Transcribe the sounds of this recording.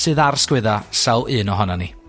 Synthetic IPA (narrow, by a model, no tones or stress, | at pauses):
sɨːðarskwɪðasawˠɨːnɔɦɔnani